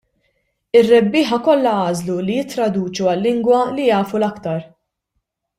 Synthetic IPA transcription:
ɪrːɛbːɪːħɐkɔlːɐɐːzlulijɪt̪ːɾɐd̪uːt͡ʃuɐlːɪŋɡwɐlijɐːfulɐkt̪ɐɾ

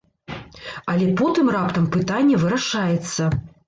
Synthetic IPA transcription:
ɐlʲɛpɔt̪ɨmrapt̪ɐmpɨt̪anʲːɛvɨɾaʂajɛt̪sːɐ

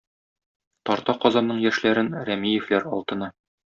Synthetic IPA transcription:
t̪ɒɾt̪ɑqɒzɑnːɤɴjæʃlæɾɘnɾæmijɘ̆flæɾɒlˠt̪ɤ̆nɑ

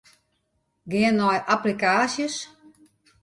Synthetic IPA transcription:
ɡɪənːɔjʔaplikaːsjəs

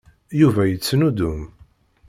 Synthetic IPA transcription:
juvæjət͡sːnud̪ʊm

